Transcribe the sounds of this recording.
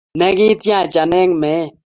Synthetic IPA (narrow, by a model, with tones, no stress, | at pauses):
nɛ˦ɡi˦t̪jã˦˨t͡ʃa˨nɛ˦ŋmɛ˨˦˨